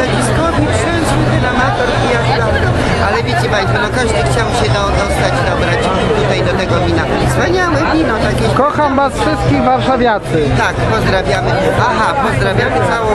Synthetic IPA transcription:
j̪akʲiskɔvʲipʂɛw̃skʲid̪ɪlamat̪ɔɾkijazna | alɛvʲet͡ɕɛpajst̪fɔnɔkaʐd̪ɘxt͡ɕawɕɛd̪ɔd̪ɔst̪ad͡ʑd̪ɔbɾat͡ɕ | t̪ut̪ajd̪ɔt̪ɛɡɔvʲina | spaɲawɛvʲinat̪akʲikɔxamvasfʂɘst̪̚kʲiɣvaɾʂavʲjat̪sɘt̪akpɔzd̪ɾavʲjamɘʔaɦapɔzd̪ɾavʲjamɘt̪sawɔ̃

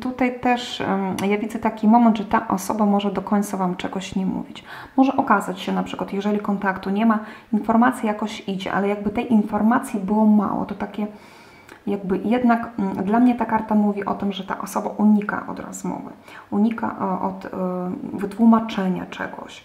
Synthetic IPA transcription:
t̪ut̪ajt̪ɛʂjavʲid̪zɛt̪akʲimɔmɛnd̪ʐɛt̪aʔɔsɔbamɔʐɛd̪ɔkɔɲʲt̪savamt͡ʂɛɡɔɕɲɛmṵvʲit͡ɕ | mɔʐɛʔɔkazat͡ɕɕɛnapʂɘkwat̪jɛʐɛlʲikɔnt̪akt̪uɲɛmainfɔɾmat̪sʲjijakɔɕid͡ʑɛ̰ʔa̰lɛjaɡ̚bɘt̪ɛjʔinfɔɾmat̪sʲjibɘwɔma̰wɔ̰t̪ɔt̪akʲɛ | jaɡ̚bɘjɛd̪nakd̪lamɲɛt̪akaɾt̪amuvʲiʔɔt̪ɘmʐɛt̪a̰ʔɔsɔbaʔuɲika̰ʔɔ̰d̪ɾɔ̰zmɔ̰vɘ̰uɲika̰ʔʔɔt̪ | vɘt̪wumat͡ʂɛɲa̰t͡ʂɛ̰ɡɔ̰ɕ

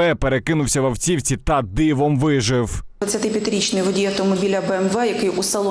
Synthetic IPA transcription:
ɛpeɾekɪnʊwsʲɐʋɐwt͡sʲiwt͡sʲit̪ɐd̪ɪʋɔmʋɪʒɪwɐt͡sʲɐt̪ɪpʲjɐt̪ɪɾʲit͡ʃnɪjʋɔdʲijɐt̪ɔmɔbʲilʲɐbɛɛmʋɛjɐkɪjusɐlˠɔ

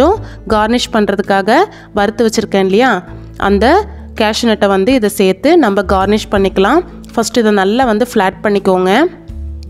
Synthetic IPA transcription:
õ | ɡaːɾnɪʂpɐɳːɾɐðɯkːaːɣɐ | ʋɐɾɯt̪ːɯʋɐt͡ʃːɪɾɯkːẽːɪnlɐjaː | ʔɐ̰nd̪ɐ | kaːʂɪnɛʈːɐʋɐnd̪ɯɪðɐseːɾt̪ːɯnɐmbɐɡaːɾnɪʂpɐɳːɪkːɐlãː | fɐsʈɪðɐnɐlːaʋɐnd̪ɯfɭaːʈ̚pɐɳːɪkːoːŋɡɐ

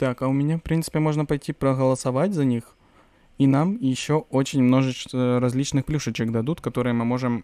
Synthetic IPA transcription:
t̪akɐʊmʲɪnʲafpɾʲint̪sɨ̥pʲɪmo̞ʐnəpɐjtʲipɾəɣəlˠəsɐvatʲzɐnʲix | inamjɪɕːo̞ot͡ɕɪnʲmno̞ʐɨt͡ɕɾɐzʲlʲit͡ɕnɨxplʲuʂət͡ɕɪkd̪ɐd̪ut̪kɐt̪o̞ɾɨjəmɨmo̞ʐɨm

